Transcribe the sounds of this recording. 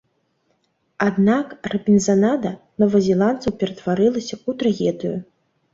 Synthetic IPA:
ad̪nakrɐpʲinʲzanad̪ɐnɔvɐzʲɛlˠant̪sɐwpʲɛɾɐt̪vaɾɨlˠɐsʲɐut̪ɾaɣʲɛd̪ɨjṵ

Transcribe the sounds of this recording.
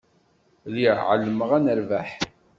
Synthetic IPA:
liʕə̰lːəməʁænəɾvaħ

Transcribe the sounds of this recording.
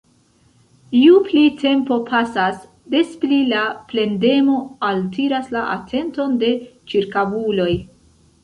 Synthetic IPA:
iuplitʰe̞mpo̞pʰasas | de̞splilaple̞nde̞mo̞altiɾaslaʔa̰tʰe̞nto̞nde̞t͡ʃiɾkavulo̞j

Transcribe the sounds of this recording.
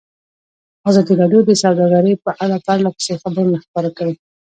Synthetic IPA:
azɑd̪iɾɑɖjod̪əsawd̪ɑɡaɾəjpəʔaɽapaɾlapə̥sexabəɾnaxpəɾakawi

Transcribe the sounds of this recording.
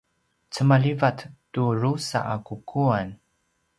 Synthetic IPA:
t͡səmalivattuɾusa̰ʔakukʰuan

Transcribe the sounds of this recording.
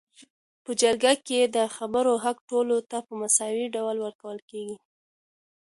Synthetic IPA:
pəd͡ʒaɾɡaked̪əxabəɾoɦakʈolot̪apəmasɑwiɖawlwəɾkawəlkeɡi

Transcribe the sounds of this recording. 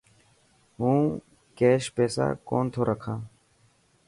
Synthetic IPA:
ɦũː | keːʃpeːsa̰ːkoːnt̪ʰoːɾʔəkʰãː

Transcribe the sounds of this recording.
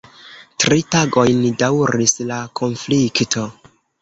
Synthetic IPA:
tɾitaɡo̞jndawɾislakʰo̞nfliktʰo

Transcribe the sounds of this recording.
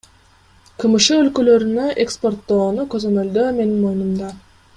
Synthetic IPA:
qʰɯmɯʃɯø̞lkø̞lø̞ɾynøʔekspo̞rt̪ːo̞ːnukø̞zø̞mø̞ld̪øːme̞ninmo̞junumd̪ɑ

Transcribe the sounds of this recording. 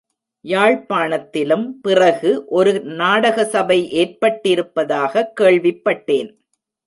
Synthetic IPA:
jaːɻpaːɳɐt̪ːɪlɯmpɪrɐɣɯʔɔɾɯnaːɽɐɣɐsɐbɐɪʔeːrpɐʈːɪɾɯpːɐðaːɣɐkːeːɭʋɪpːɐʈːeːn

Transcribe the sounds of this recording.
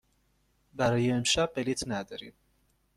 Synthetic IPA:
baɾjɛmʃapʼɛlit̪ʰnad̪ɾḭ

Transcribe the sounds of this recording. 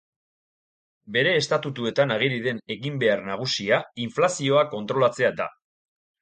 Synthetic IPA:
be̞ɾe̞ːst̪at̪ut̪ue̞t̪anaɣ̞iɾiðe̞ne̞ɣimbe̞aɾnaɣ̞usiaiɱflasio̞ako̞nt̪ɾo̞lat͡se̞ad̪a̰

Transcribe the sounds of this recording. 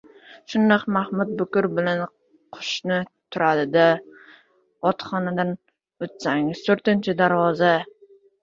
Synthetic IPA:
ʃʊnːɑqmahmʊt̪̚bʊkʊɾbɪlan | qʰʊ̥ʃnɪt̪ʰʊɾad̪ɪd̪a | ɒt̪χɒnad̪an | ot̪saŋɪz̥t̪ʰɵɾt̪ɪnt͡ʃʰɪd̪aɾvɒza

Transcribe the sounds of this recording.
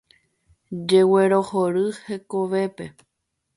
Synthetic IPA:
d͡ʒe̞weɾo̞hoɾɨhe̞koʋe̞pe̞

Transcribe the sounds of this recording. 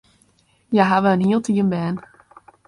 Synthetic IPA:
jaɦaʋəənɦiəlˠtʰiːənbɛːn

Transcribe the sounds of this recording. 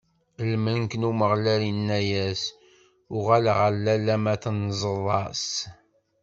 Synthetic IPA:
lmənkənuməʁlæɾinːæjæs | ʊʁæləʁəɾlːælæmæθnzˤəðˤɑs

